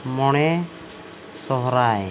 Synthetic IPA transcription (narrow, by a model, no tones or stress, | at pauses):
mɔɽ̃ɛ | sɔɦɔɾaj